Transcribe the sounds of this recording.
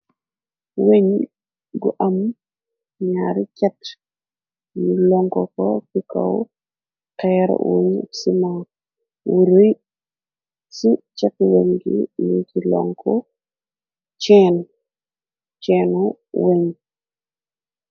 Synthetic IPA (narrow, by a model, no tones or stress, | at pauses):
weɲ | ɡuʔam | ɲaɾit͡ʃat | julɔŋkɔkɔkika̰w | tajaɾ̰wuɲsima | wuɾuj | sit͡ʃakweɲɡinikilɔ̰ŋkʰɔ | t͡ʃɛn | t͡ʃɛnɔ | weɲ